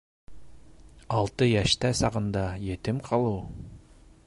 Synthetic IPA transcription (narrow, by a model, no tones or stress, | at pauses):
ɑlˠt̪ɤjæʃt̪æsɑʁɤ̆nd̪ɑjĕt̪ɘmqʰɑlˠɤw